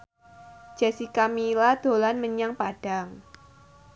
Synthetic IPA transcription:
d͡ʒ̥asikamilad̪̥o̤lanməɲaŋpaɖ̥aŋ

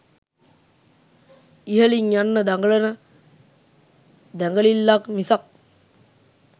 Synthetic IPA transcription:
iɦəliŋjanːəd̪aŋɡələnə | d̪æŋɡəlilːakmisak̚

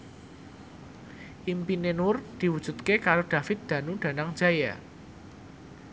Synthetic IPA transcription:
ʔimpinenwʊrd̪̥i̤wud̥ʒ̥ṳt̪̚kekaɾoɖ̪̥ä̤fɪt̪̚d̪̥ä̤nuɖ̪̥ä̤naŋd̥d͡ʒ̥aja

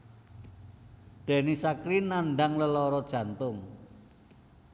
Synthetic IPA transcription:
d̪̥e̤nisakɾinanɖaŋləlɔɾɔd̥ʒ̥ä̤nt̪ʊŋ

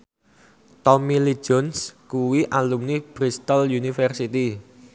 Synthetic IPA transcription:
t̪ɔmili̥d͡ʒ̥ɔnskuwiʔalumnib̥ɾist̪əljunifɛrsit̪i

